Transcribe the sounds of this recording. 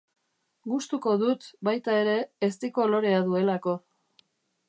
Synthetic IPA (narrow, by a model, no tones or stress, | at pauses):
ɡust̪uko̞ðut̪bajt̪ae̞ɾe̞ːst̪iko̞loɾe̞aðue̞lako̞